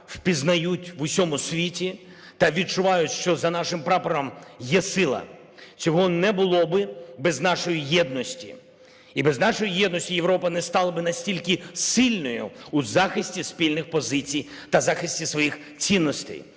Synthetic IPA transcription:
wpʲiznɐjutʲʋʊsʲɔmʊsʲʋʲitʲi | t̪ɐʋʲid̪̚t͡ʃʊʋɑjʊʃt͡ʃɔzɐnɑʃɪmpɾɑpɔɾɐmjɛsɪlˠɐ̰ | t͡sʲɔɦɔnɛbʊlˠɔbɪbɛznɑʃɔjijɛd̪nɔsʲtʲḭ | ibɛznɑʃɔjijɛd̪nɔsʲtʲijeʋɾɔpɐnɛst̪ɑlˠɐbɪnɐsʲtʲilʲkɪsɪlʲnɔjʊ̰ːzɑxɪsʲtʲispʲilʲnɪxpɔzɪt͡sʲij | t̪ɐzɑxɪsʲtʲisʋɔjix | t͡sʲinːɔst̪ɛ̰j

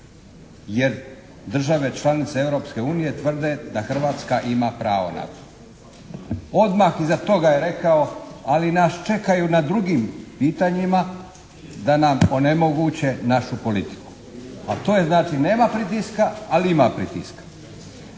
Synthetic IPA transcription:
je̞ɾ | d̪r̩ʒaʋe̞t͡ʃlˠanit̪seeʋɾo̞pske̞uːnije̞t̪ʋr̩d̪e̞d̪axr̩ʋaːt̪skaʔimapɾa̰ːʋo̞̰na̰t̪o̥ | o̞d̪maxizat̪o̞ɡajeɾe̞kao̞alinaːst͡ʃe̞kajunad̪ɾuɡimpiːt̪aɲima | d̪anamonemo̞ɡut͡ɕe̞naʃupo̞lit̪i̥ku̥ | at̪ojeznaːt͡ʃine̞ːmapɾit̪iskaaliimapɾḭt̪ḭskḁ

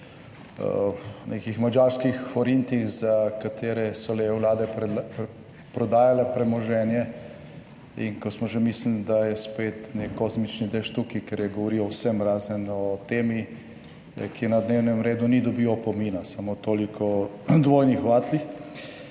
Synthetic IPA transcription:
nʔekixmad͡ʒaːɾskixfɔɾint̪ixzakat̪ʰeːɾɛsɔlewlaːd̪ɛ | pɾɔd̪aːjalɛpɾɛmɔʒɛːnjɛ | ḭŋkɔsmɔʒemislind̪ajɛspet̪nekːozmit͡ʃnid̪ɛʃt̪ukikɛɾjɛɡɔʋɔɾiɔwsɛmɾaːzənɔt̪eːmi | kʰinad̪neːwnɛmɾeːd̪unid̪ɔbiːɔpɔmiːnasamot̪oːlikʰɔ | d̪ʋoːjnixʋaːt̪lix

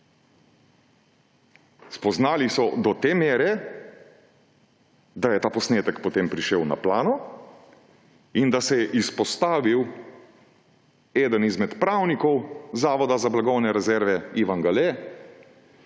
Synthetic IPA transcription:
spɔznaːlisɔd̪ɔt̪eːmeːɾɛ | d̪ajɛt̪aːpɔsneːt̪əkpɔt̪eːmpɾiʃɛwna̰plaːnɔ | ind̪asɛjɛʔispɔst̪aːʋiw | eːd̪ənizmɛt̪pɾaːwnikɔwzaːʋɔd̪azablaɡɔwnɛɾɛzɛɾʋɛiːʋaŋɡale

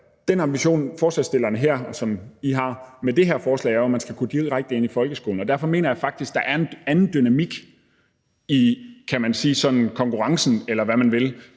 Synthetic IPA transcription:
d̥enɑ̈mbiɕo̝̰ːnfɒːslɛ̰sd̥e̝lɐnəɦeɐ̰sɒ̽miɦɑ̈med̥e̝ɦeɐ̰fɒːslɛ̰ɪæɐɒmænsɡ̥ækʰud̥iðˠʁaɡ̥̚d̥əe̝n̰ifɒ̽lɡ̥əsɡ̥o̝ːln̩ɒ̽dæɐ̰fɒ̽me̝̰ːnɐjɑ̈fɑ̈ɡ̥̚d̥isɡ̥̚d̥ɑ̈ʔæɐenænn̩d̥ynæmiɡ̥ | ikʰæmænsiːsɒ̽d̥n̩kʰɒ̽ŋkʰuʁɑ̈ŋsn̩elɐʋæmænʋe̝l

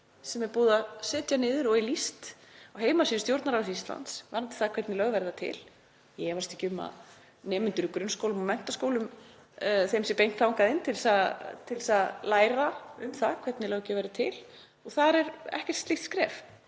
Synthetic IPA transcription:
sɛmɛɾpuːðasɪːt̪janɪːðɪɾɔɣilist̪awɦeːjmasiʏst̪jowɾt̪naɾawsist̪la̰nt̪svaɾnt̪ɪ̥θakʰvɛɾt̪nɪlœɣvɛjɾɪðat̪ʰɪ̰l | jɛɛvaɾ̥st̪icʏmːa̰ | nɛːmʏnt̪ʏɾʏkɾʏnskowlʏmɔmɛn̥t̪askoːwlʏm | θejmsɛpejŋ̥t̪awŋkaðɪnːt̪ʰɪlsaðt̪ʰɪlsaðlaːjɾaʏmθaðkʰvɛt̪nɪlœɣcɛvajɾɪt̪ʰɪl | ɔɣθaɾɛɾɛ̰hcɛ̥t̪st̪iht̪skɾɛ̰ːf

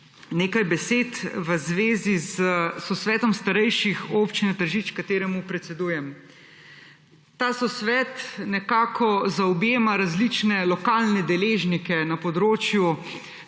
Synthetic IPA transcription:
neːkajbɛseːt̪ʋəzʋeːzizəsɔsʋɛːt̪ɔmst̪aɾɛjʃixopt͡ʃinɛt̪əɾʒiːt͡ʃkat̪eːɾɛmupɾɛt̪sɛd̪ujɛm | t̪aːsɔsʋɛːt̪nɛkaːkʰɔzaɔbjeːmaɾazlit͡ʃnɛlɔkaːlnɛd̪ɛleːʒnikɛnapɔd̪ɾoːt͡ʃju

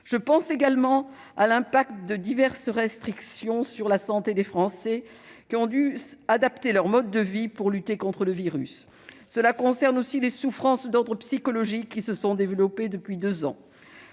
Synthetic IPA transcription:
ʒ̥əpɑ̃seɡalmɑ̃ | alɛ̃pak̚t̪d̪əd̪ivɛʁsʁɛst̪χiksjɔ̃syʁlasɑ̃t̪ed̪efχɑ̃sɛ | kʲiɔ̃d̪yad̪apt̪elœʁmɔd̪ːəvipuʁlyt̪ekɔ̃t̪χələviʁy̰sː | əlakɔ̃sɛʁnosilesufχɑ̃sd̪ɔʁd̪ʁəpsikɔlɔʒikːisəsɔ̃d̪evəlɔped̪əpɥid̪øzɑ̰̃

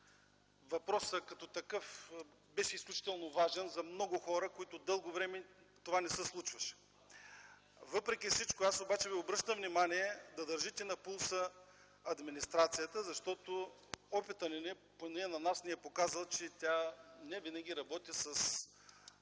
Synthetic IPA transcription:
vɐpɾɔsəkɐt̪ɔt̪ɐkɤf | bɛʃɛisklʲut͡ʃi̥t̪ɛlˠnovaʒɛnzɐmnɔɡʊxɔɾəkoit̪od̪ɤlˠɡovɾɛmɛ | t̪ovanɛsəslˠut͡ʃvɐʃɛ̥ | vɤpɾɛkʲifsit͡ʃkoasobat͡ʃɛviobɾɤʃt̪əmvnimaniɛd̪ɐd̪əɾʒit̪ɛnɐpulˠsə | ɐd̪minist̪ɾat̪sijət̪əzɐʃt̪ɔt̪o | ɔpit̪ənɛnɛ | ponɛnɐnasniɛpokazəlˠt͡ʃɛt̪ʲjanɛvinɐɡʲiɾɐbɔt̪isɐs

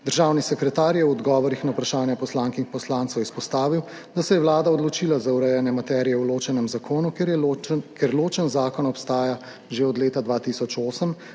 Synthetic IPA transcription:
d̪əɾʒawnisɛkɾɛt̪aːɾjɛwɔd̪ɡɔːʋɔɾixnaupɾaʃaːnjɛpɔslaːŋkixpɔslaːnt̪swjɛispɔst̪aːʋiw | d̪asɛjɛwlaːd̪aɔd̪lɔt͡ʃilazauɾɛjanjɛmat̪ɛːɾijɛwloːt͡ʃɛnɛmzakʰoːnu | keɾloːt͡ʃɛnzaːkɔnɔpst̪aːja | ʒeɔd̪leːt̪ad̪ʋaːt̪isɔt͡ʃoːsəm

